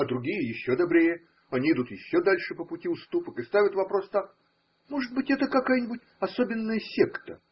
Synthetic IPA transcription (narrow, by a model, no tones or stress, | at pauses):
ɐd̪ɾʊɡʲijəjɪɕːod̪ɐbɾʲejə | ɐnʲiɪd̪ut̪jɪɕːod̪alʲʂɨpəpʊtʲiʊst̪upəkɨst̪avʲɪt̪vɐpɾost̪ak | moʐɨd̪̚bɨtʲɛt̪əkɐkajənʲɪbʊtʲ | ɐsobʲɪnːəjəsʲekt̪ə